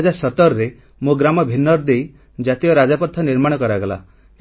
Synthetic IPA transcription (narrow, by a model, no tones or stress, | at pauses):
d͡ʒasɔt̪ɔɾɔɾe | muɡɾamɔbʱinːɔɾd̪ej | d͡ʒat̪ijɔɾad͡ʒapɔt̪ʰːɔniɾmaɽ̃ɔkɔɾaɡɔla̰